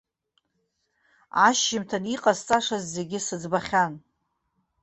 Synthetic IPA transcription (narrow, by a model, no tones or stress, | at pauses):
aʃːɪmtʰaniqʼazt͡sʼaʂazːe̞ɡʲɪsɨd͡zbaχʲan